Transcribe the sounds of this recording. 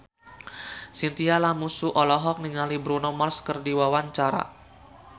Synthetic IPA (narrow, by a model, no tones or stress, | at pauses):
sint̪ialamusuʔɔlɔɦɔk̚niŋalibɾunɔmarskərdiwawaɲt͡ʃaɾa̰